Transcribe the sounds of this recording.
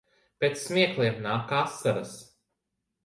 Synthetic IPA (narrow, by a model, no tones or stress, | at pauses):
pʲet̪ssːmʲiɛklˠiɛmnaːkasːaɾɐs